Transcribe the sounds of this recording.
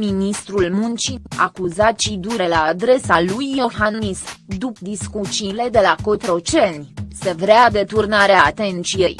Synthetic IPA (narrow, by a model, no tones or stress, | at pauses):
minist̪ɾulmunt͡ʃia̰kuzat̪t͡ʃid̪uɾe̞laːd̪ɾe̞salujːo̞hannisd̪up̚d̪iskut͡ʃile̞d̪e̞lako̞t̪ɾo̞t͡ʃe̞nʲse̞vɾead̪e̞t̪urnaɾeaːt̪e̞nt̪sije̞j